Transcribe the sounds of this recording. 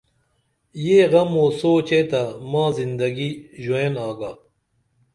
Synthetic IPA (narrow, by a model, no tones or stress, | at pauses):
jeːɣɐmoːsoːt͡ɕet̪amãːzind̪ɐɡiʑueːnaːɡaː